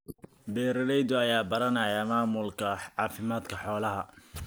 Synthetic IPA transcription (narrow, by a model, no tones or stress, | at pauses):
bɛːɾɪlɛjd̪ɔɐjaːbɐɾɐnɐjaːmaːmʊlkʰɐʕɑːfɪmaːd̪kʰɐħɔːlɐɦɐ